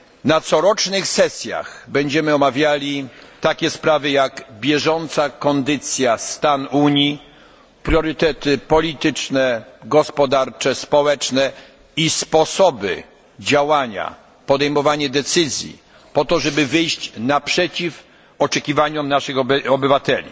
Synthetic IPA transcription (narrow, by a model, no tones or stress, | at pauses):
nat̪sɔɾɔt͡ʂnɘxsɛsʲja̰xbɛɲd͡ʑɛmɘɔmavʲjalʲit̪akʲɛspɾavɘjaɡbʲjɛʐɔnt̪sakɔnd̪ɘt̪sʲjast̪anuɲi | pɾʲjɔɾɘt̪ɛt̪ɘpɔlʲit̪ɘt͡ʂnɛɡɔspɔd̪aɾt͡ʂɛspɔwɛt͡ʂnɛ | ispɔsɔbɘ̰ | d͡ʑawaɲa̰ | pɔd̪ɛjmɔvaɲɛd̪ɛt̪sɘzʲjḭ | pɔt̪ɔʐɛbɘvɘjɕt͡ɕnapʂɛt͡ɕif | ɔt͡ʂɛkʲivaɲɔmnaʂɘxɔbɘvat̪ɛlʲḭ